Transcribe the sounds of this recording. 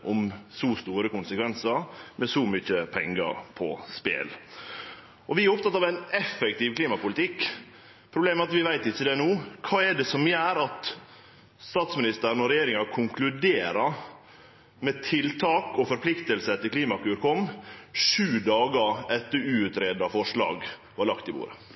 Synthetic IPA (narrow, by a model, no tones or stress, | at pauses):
ʔɔmsɔst̪uːɾəkʊnsəkʋɛnsɑɾmɛsɔmʏçəpʰɛŋːɑ̰ɾpʰɔ̰spḛːl | ʔɔʋɪæɾɔp̚t̪ɑt̪ːɑːʋæɪnɛfɛkt̪iːʋkliːmɑpʊlɪt̪ɪkː | pʰɾʊbleːmɛɑt̪ʋɪʋæɪt̪ɪçːəd̪ɛnoːkʰɑːɛɖɛsɔmjæːɾɑt̪ | st̪ɑːt̪smɪnɪst̪əɾnɔɾɛjeːɾɪŋɑkʰʊŋklʉd̪eːɾɑ | mɛt̪ʰɪlt̪ʰɑːkɔfɔɾpʰlɪkt̪əlsət̪ɪlkʰliːmɑkʉːɾkʰɔmːʂʉːd̪ɑːɡɑɾɛt̪ːəɾʉːʉt̪ɾeːd̪ɑfɔʂɭɑ̰ːɡʋɑlɑkt̪ɪbṵːɾə̰